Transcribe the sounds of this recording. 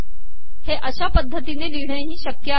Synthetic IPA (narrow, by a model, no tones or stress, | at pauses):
heʔəɕapəd̪ʱːət̪ineliɽ̤ɽeɦiːɕəkjə